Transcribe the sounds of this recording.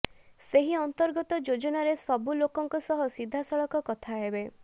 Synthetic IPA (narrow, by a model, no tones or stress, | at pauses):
seɦiɔnt̪ɔɾɡɔt̪ɔd͡ʒod͡ʒɔnaɾesɔbulokɔŋkɔsɔɦɔsid̪ʱːasɔɭɔkɔkɔt̪ʰaɦebe